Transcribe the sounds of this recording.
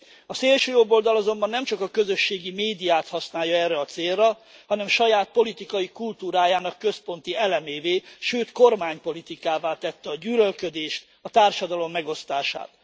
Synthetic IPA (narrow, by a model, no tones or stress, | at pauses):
ɒseːlʃøːjobːo̞ld̪ɒlɒzo̞mbɒnːɛmt͡ʃɒkɒkø̞zø̞ʃːeːɡimeːd̪ijaːt̪hɒsnaːjːɒɛrːɛɒt̪seːrːɒ | hɒnɛmʃɒjaːt̪̚po̞lit̪ikɒjikult̪uːɾaːjaːnɒkːø̞spo̞nt̪iɛlɛmeːveːʃøːt̪ko̞rmaːɲpo̞lit̪ikaːvaːt̪ɛt̪ːɛɒɟyːlølkø̞d̪eːʃt̪ | ɒt̪aːrʃɒd̪ɒlo̞mːɛɡo̞st̪aːʃa̰ːt̪